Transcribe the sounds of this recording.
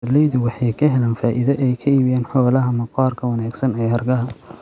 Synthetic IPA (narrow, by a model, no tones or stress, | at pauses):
lɛjðʊwɑħɑjkʰɐɦɛlaːnfaːʔɪðɐʔɛjkʰɐiːβijɛːnħɔːlɐɦɐmɑqɑːrkʰɐwɑnaːɡsɐnɛːhɐrɡɐɦɐ